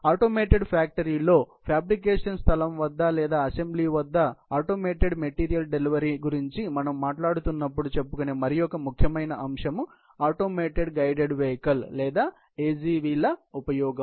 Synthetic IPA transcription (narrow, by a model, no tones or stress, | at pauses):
aːʈoːmeːʈeɖpʰaːk̚ʈɐɾiːlo̞ː | pʰjaːbɾik̬eːʂɐnst̪ʰɐlɐmʋɐd̪ːɐlɛːd̪aːɐse̞mbliːʋɐd̪ːɐaːʈoːmeːʈeɖmeʈiːɾijɐlɖeliʋɐɾiɡuɾiɲt͡ʃimɐnɐmːaːʈlaːɽut̪unːɐpːuɽut͡ʃe̞pːukoneːmɐɾijɔkɐmukʰjɐmɐjnɐʔɐmʂɐmu | aːʈo̞ːmeːʈeɖɡɐjɖeɖʋɛːkɐlːɛːd̪aː | eːd͡ʒiːʋiːlɐupɐjɔːɡɐm